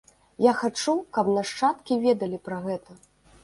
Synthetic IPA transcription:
jaxat͡ʂukɐpnɐʂt͡ʂat̪kʲivʲɛd̪ɐlʲipɾɐɣɛt̪ɐ

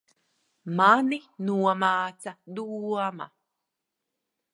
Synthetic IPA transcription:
maninuɔmaːt͡sad̪uma̰

